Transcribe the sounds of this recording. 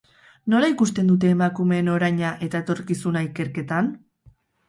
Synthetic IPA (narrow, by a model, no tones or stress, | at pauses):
no̞laikust̪e̞nd̪ut̪̬e̞ːmakume̞no̞ɾajɲaʔe̞t̪aet̪o̞ɾkisunaike̞ɾke̞t̪an